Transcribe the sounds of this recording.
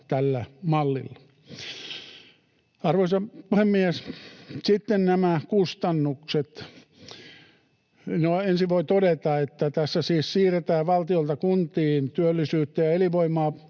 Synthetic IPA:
t̪ælːæmɑlːḭlːɑ̥ | ɑrʋoisɑpuhemːiessit̪ːennæmækust̪ɑnːukset̪ | noensiʋʋoit̪odet̪ɑet̪ːæt̪æsːæsiːssiːret̪æːʋɑlt̪iolt̪ɑkunt̪iːnt̪yølːisyːt̪ːæjɑeliʋoimˑɑː

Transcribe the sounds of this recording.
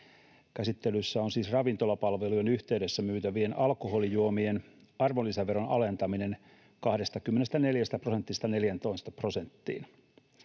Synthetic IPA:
kæsit̪ːe̞lysːæonsiːsrɑʋint̪o̞lɑpɑlʋeluenyht̪eyde̞sːæmyːt̪æʋie̞nɑlkoɦo̞lijuomien | ɑrʋolːisæʋe̞ɾonɑle̞nt̪ɑmine̞n | kɑhde̞st̪ɑkymːene̞st̪æne̞ljæst̪æpro̞set̪ːist̪ɑne̞ljænt̪o̞ist̪ɑpro̞se̞nt̪ːḭːn

